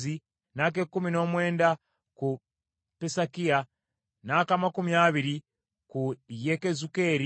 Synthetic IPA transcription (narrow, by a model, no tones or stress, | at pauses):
i | nak̬ekːumino̞ːmwe̞ːnda | ku | pesakia | nakamakumiaβiɾi | kujekezukeɾi